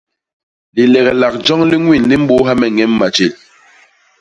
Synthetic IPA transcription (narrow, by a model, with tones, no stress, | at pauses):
li˨lɛ˨ɣɛ˨la˨k̚d͡ʒɔ˦ŋli˦ŋwi˦˨nli˦m̩˦bo˦ɦa˦mɛ˨ŋɛ˦mːa˨t͡ʃe˨l